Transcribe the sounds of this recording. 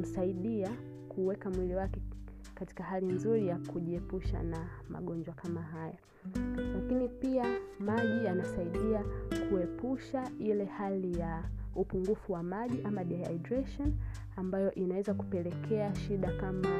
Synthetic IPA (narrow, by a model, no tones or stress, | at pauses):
m̩saiɗia | kʰuwɛkamwiliwakɛ | kati̥kahalinzuɾijakuʄiɛpuʃa̰na | ma̰ɠɔɲd͡ʒwakamaɦaja | lakinipiamaʄijanasaiɗiakʰuɛpuʃailɛhalijaupuŋɡufuwamaʄiʔamaʄaja̰jdɾɛʃɔn | ambajɔʔinawɛzaku̥pɛlɛkʰɛaʃiɗakama